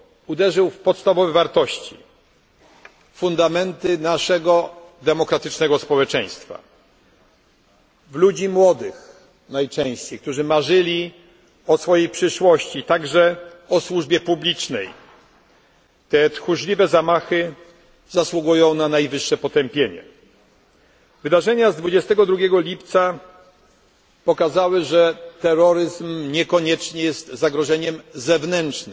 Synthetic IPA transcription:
ud̪ɛʐɘwfpɔt̪st̪avɔvɛvaɾt̪ɔɕt͡ɕḭ | fund̪amɛnt̪ɘnaʂɛɡɔd̪ɛmɔkɾat̪ɘt͡ʂnɛɡɔspɔwɛt͡ʂɛj̃st̪fa̰ | vlud͡ʑimwɔd̪ɘx | najt͡ʂɛ̃w̃ɕt͡ɕejk̚t̪uʐɘmaʐɘlʲi | ɔsfɔjejpʂɘʂwɔɕt͡ɕit̪aɡʐɛɔswuʐbʲjɛpublʲit͡ʂnɛj | t̪ɛt̪xuʐlʲivɛzamaxɘ | zaswuɡujɔ̃w̃nanajvɘʂːɛpɔt̪ɛmpʲjeɲɛ̰ | vɘd̪aʐɛɲazd̪vud͡ʑɛst̪ɛɡɔd̪ɾuɡʲjɛɡɔlʲipt̪sa | pɔkazawɘʐɛt̪ɛɾɔɾɘzmɲɛkɔɲɛt͡ʂɲɛjɛst̪zaɡɾɔʐɛɲɛmzɛvnɛnt͡ʂnɘ

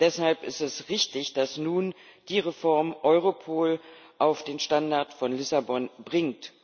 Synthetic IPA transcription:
d̥ɛshalpɪstɛsʁɪçtɪçd̥asnuːnd̥iːʁefɔɐmʔɔʏʁopʰoːlʔaʊfd̥eːnʃtandaɐtfɔnlɪsabɔnbʁɪŋt

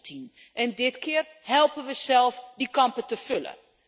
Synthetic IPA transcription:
tʰin | ʔɛndɪtkɪːər | hɛlˠpənʋəsɛlˠfdikɑmpətəfølə̰

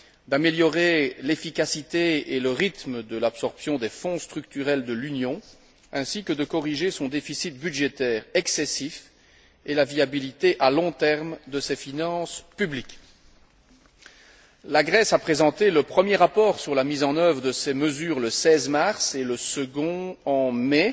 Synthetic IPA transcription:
d̪ameljɔʁelefikasit̪eeləʁit̪məd̪əlapsɔʁpsjɔ̃d̪ɛfɔ̃st̪χyk̚t̪yʁɛld̪əlynjɔ̃ | ɛ̃sikəd̪əkɔʁiʒesɔ̃d̪efisit̪̚byd̪ʒet̪ɛːʁɛksɛsif | elaviabilit̪eʔalɔ̃t̪ɛʁmd̪əsɛfinɑ̃spyblikʲ | laɡʁɛsapχezɑ̃t̪eləpχəmjeʁapɔːʁsyʁlamizɑ̃nœvʁəd̪əsɛməzyːʁləsɛzmaʁseləsəɡɔ̃ɑ̃mɛ

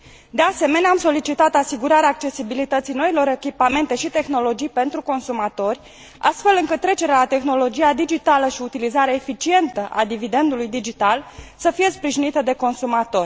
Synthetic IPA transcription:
d̪ease̞me̞neamso̞lit͡ʃit̪at̪asiɡuɾaɾeaːk̚t͡ʃe̞sibilit̪ət̪sijno̞ilo̞ɾe̞kʲipame̞nt̪e̞ʃit̪e̞xno̞lo̞d͡ʒijpe̞nt̪ɾuko̞nsumat̪o̞rʲ | a̰st̪fe̞lɨŋkɨt̪ːɾe̞t͡ʃe̞ɾeaat̪e̞xno̞lo̞d͡ʒiad̪id͡ʒit̪aləʃiut̪ilizaɾeefit͡ʃie̞nt̪əʔad̪ivid̪e̞nd̪ulujd̪id͡ʒit̪alsəfije̞spɾiʒinit̪əd̪e̞ko̞nsumat̪o̞rʲ

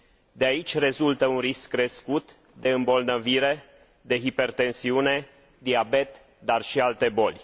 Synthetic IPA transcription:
d̪eait͡ʃʲre̞zult̪əunriskːɾe̞skut̪ | d̪e̞ɨmbo̞lnəviɾe̞ | d̪e̞ɦipe̞rt̪e̞nsiune̞ | d̪iabe̞t̪ | d̪arʃialt̪e̞bo̞lʲ

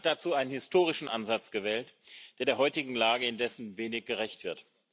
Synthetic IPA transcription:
t̚d̥at͡suːʔaɪnənhɪstʰoːʁɪʃn̩ʔa̰nzat͡sɡ̥əvɛːltd̥eːɐdeːɐɦɔʏtɪɡŋ̩laːɡəɪndɛsn̩veːnɪçɡ̥əʁɛçtv̥ɪɐt

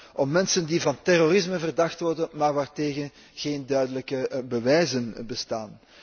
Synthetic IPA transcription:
ʔɔmːɛnsəndivɑntɛrorɪsməvərdɑxtʋɔrdənmaːrʋaːrteːɣən | ɣ̥eːndœɥdələkəbəʋɛjzənbəstaːn

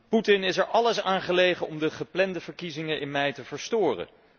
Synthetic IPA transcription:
putɪnɪsɛɹʔɑləsaːnχəlejχənɔmdəχəplɛndəvəɹkizɪŋəʔɪnmɛjtəvəɹstʊːrə̰

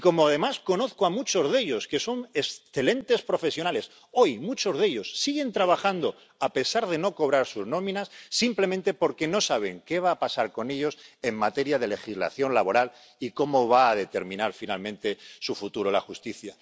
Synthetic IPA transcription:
iko̞moaðe̞masko̞no̞θkoamut͡ʃo̞zðe̞ʎo̞ske̞so̞ne̞sθe̞lẽ̞nt̪e̞spɾo̞fe̞sjo̞nale̞s | o̞jmut͡ʃo̞zðe̞ʎo̞sːiɣe̞nt̪ɾaβaxand̪o̞ | ape̞saɾðe̞no̞ko̞β̞ɾaɾsuzno̞mĩnasːimple̞mẽnt̪e̞po̞ɾke̞no̞saβ̞e̞ŋkeβ̞aːpasaɾko̞ne̞ʎo̞se̞ŋmat̪e̞ɾjað̞e̞le̞xizla̰θjo̞nlaβo̞ɾal | iko̞mo̞β̞aːðe̞t̪e̞ɾmĩnaɾfinalmẽ̞nt̪e̞sufut̪uɾola̰xust̪iθja

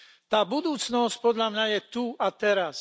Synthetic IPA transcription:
t̪aːbud̪uːt͡snɔsc̚pɔd̪ʎamɲajɛt̪uat̪ɛɾas

